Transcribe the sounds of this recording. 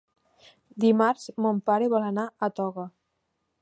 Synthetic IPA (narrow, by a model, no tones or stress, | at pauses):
d̪imaɾz̥mompaɾeβɔlənaət̪ɔɣə